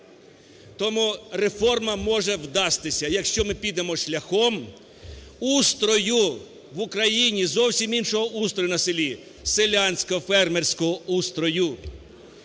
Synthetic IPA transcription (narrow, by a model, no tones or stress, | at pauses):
t̪ɔmurefɔrmɐmɔʒɛwd̪ɑst̪ɪsʲɐjɐkʃt͡ʃɔmɪpʲid̪emɔʃlʲɐxɔm | ust̪ɾɔjʊ | ʋʊkɾɐjinʲizɔwsʲiminʃɔɦɔʔust̪ɾɔjʊnɐselʲi | selʲanʲsʲkɔɔfɛrmerʲsʲkɔɦɔust̪ɾɔjʊ